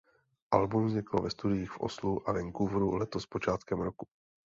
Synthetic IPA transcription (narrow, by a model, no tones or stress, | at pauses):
ʔalbumzɲɪkl̩vɛst̪udɪjiːxfʔo̰sluʔavɛŋkuvɾulɛt̪ospo̞t͡ʃaːt̪kɛmɾoku